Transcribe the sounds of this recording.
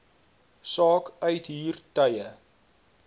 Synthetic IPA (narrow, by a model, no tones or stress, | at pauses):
sɑːkœɥtɦiːrtəjə